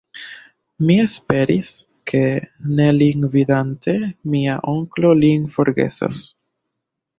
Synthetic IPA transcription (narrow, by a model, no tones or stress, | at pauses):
mie̞spe̞ɾis | kʰe̞ne̞liŋɡvidantʰe̞miaʔo̞ŋklo̞linfo̞ɾɡe̞̰so̰s